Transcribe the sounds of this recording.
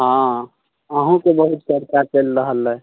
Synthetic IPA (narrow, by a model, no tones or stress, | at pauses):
ɦã | əɦũkebəɦut̪səɾkaɾt͡ʃelɾəɦəlɦɛ